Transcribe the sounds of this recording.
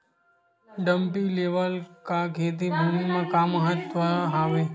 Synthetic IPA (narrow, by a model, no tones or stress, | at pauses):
ɖəmpileːʋəlkakʰet̪̬ibʱumimãkaːməɦət̪ʋəɦaʋe